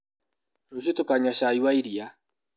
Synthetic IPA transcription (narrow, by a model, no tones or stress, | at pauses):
ɾosetokaɲaʃaiwaiɾia